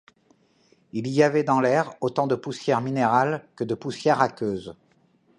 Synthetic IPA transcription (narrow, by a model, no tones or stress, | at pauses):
iliavɛd̪ɑ̃lɛʁot̪ɑ̃d̪əpusjɛʁmineʁalkəd̪əpusjɛʁakʲøːz